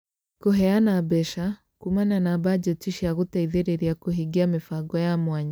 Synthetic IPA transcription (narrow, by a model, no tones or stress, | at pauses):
koɦɛanabɛʃa | kumananabad͡ʒɔtiʃiaɣutaiðeɾeɾiakoɦiɡiamefaɡɔjamwaɲa